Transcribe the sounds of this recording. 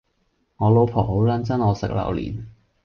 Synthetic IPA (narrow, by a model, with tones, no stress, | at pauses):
ŋɔː˨˧lo˨˧wpʰɔː˨˩ho˨˥wlɐ˨˥nt͡sɐ˥nŋɔː˨˧sɪ̰˨k̚lɐ̰˨˩wlḭː˨˩n